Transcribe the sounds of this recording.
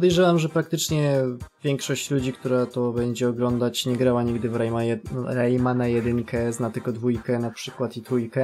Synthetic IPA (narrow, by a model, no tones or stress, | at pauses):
pd̪ɛjʐɛwamʐɛpɾakt̪ɘt͡ʂɲɛvʲjɛŋkʂɔɕt͡ɕlud͡ʑikt̪uɾat̪ɔbɛɲd͡ʑɛɔɡlɔnd̪at͡ɕɲɛɡɾawaɲiɡd̪ɘvɾɛjmajɛɾɛjmanajɛd̪ɘŋkɛznat̪ɘlɡɔd̪vujkɛnapʂɘkwat̪it̪ɾujkɛ